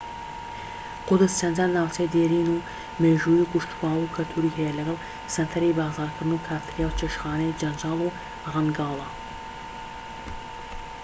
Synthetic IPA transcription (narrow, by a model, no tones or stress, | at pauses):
qʊd̪ɨzt͡ʃʰɐnd͡ʒaːnːaːwt͡sʰejd̪eːɾiːnuː | meːʒujukʊʃt̪waːukʰɐlt̪ʰuɾiːɦɛjɛlɐɡɐlˠ | sɐnt̪ʰɐɾejbaːɣzɑːɾkʰɨɾd̪ɨnukʰaːɾt̪ʰɨɾjaːwt͡ʃʰeʃxɑːnɛjd͡ʒɐnd͡ʒɑːlˠu | ʁɐnɡɑːlˠɑ